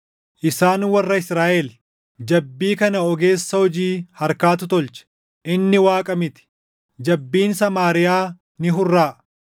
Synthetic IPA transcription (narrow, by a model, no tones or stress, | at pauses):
ʔɪsaːnwɐrːɐɪsɾaːʔɛl | d͡ʒɐbːiːkɐnɐɔɡe̞ːsːɐhɔd͡ʒiːhɐɾkaːt̪̬ʊt̪ɔlt͡ʃɛ̥ | ʔɪnːɪwaːkʼɐmɪt̪ɪ̥ | d͡ʒɐbːiːnsɐmaːɾɪjaː | nɪɦʊrːaː